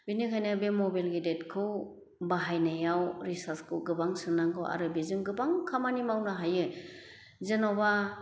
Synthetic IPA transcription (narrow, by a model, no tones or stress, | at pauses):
binikʰajnɯbemɔbajlɡidetkʰɯw | baɦajnajawɾisaskʰɯwɡɯbaŋsɯnaŋɡɯwa̰ɾɯbizɯŋɡɯbaŋkʰamanimawnaɦajɯ | zenawba